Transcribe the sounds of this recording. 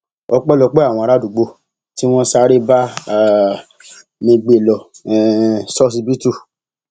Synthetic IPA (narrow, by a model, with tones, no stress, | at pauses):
ɔ˧k͡pɛ˦lɔ˧k͡pɛ˦a˨w̃ɔ̃˧ɾa˦du˨ɡ͡bo˧ | ti˦w̃ɔ̃˦sa˦ɾe˦ba˦˨ | mĩ˧ɡ͡be˨lɔ˨ | sɔ˦s̬i˧bi˦tu˦˨